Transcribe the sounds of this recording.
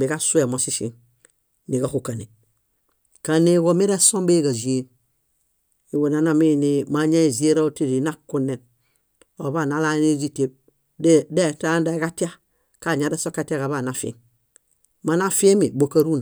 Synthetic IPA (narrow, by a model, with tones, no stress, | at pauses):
bi˨ɡa˦su˦e˨mo˨si˦sḭ˨n | ni˨ɡa˦ku˨ka˨ni˨ | ka˨ne˦ɡo˨mi˦ɾa˦so˦mbe˦ɡa˨d͡ʒi˨e˦ | i˨wo˨na˦na˦mi˦˨ni˨˦ma˨˦ɲa˦i˨zi˦e˦ɾa˦ti˦ɾi˨˦na˦ku˦ne˨n | o˨ba˦˨na˦la˦ne˦d͡ʒi˦te˦b̚ | dde˦˨ta˦nda˨i˦ɡa˦ti˦a˦ | ka˦˨ɲa˨˦da˦so˦ka˦ti˦a˦ka˨βa˨na˨fḛ˦m | ma˨na˦fi˦e˦mi˨bo˨ka˦ɾu˦n˨